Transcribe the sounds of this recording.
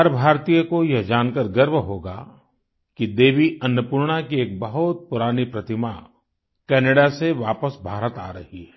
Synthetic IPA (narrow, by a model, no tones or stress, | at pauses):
ɦɐɾbʱaːɾt̪ijəkojɐɦd͡ʒaːnkəɾɡəɾʋɦoːɡa̰ | kid̪eːʋiʔɐnːəpuɾɽ̃akieːk̚bɐɦʊt̪̚pʊɾaːnipɾɐt̪ɪma | kɛːneːɽaseʋaːpəsbʱaːɾət̪aːɾɐ̰hiɦɛː